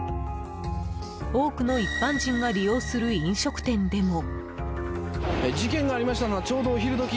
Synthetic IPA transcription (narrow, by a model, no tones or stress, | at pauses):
o̞ːkɯ̟no̞ipːãɲd͡ʑĩŋɡaɾʲijo̞ːsɨɾɯ̟ĩɰ̃ɕo̞kɯ̟̥t̪ẽ̞nd̪e̞mo̞ | d͡ʑikẽ̞ŋɡaːɾʲimaɕi̥t̪ano̞βat͡ɕo̞ːd̪o̞ːçiɾɯ̟d̪o̞kʲi